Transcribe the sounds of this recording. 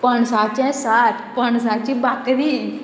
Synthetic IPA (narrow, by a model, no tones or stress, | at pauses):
pəɳsaːt̪t͡ʃɛ̃saːt̪pəɳs̬aːt̪t͡ʃĩbakɾi